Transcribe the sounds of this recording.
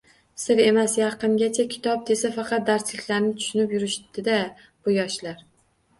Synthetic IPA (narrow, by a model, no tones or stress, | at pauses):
sɪɾe̞masjɑqɨnɡʲat͡ʃʰakʲʰɪ̥t̪ʰɒp̚d̪e̞safɑqʰɑt̪̚d̪aɾslɪkʲlaɾnɪt̪ʰʊ̥ʃʊnɪpjʊɾɪʃd̪ɪd̪a | b̥ʊjɒʃlaɾ